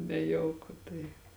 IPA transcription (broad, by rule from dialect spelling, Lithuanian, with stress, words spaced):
nʲɛˈjɛʊkʊ tɐɪ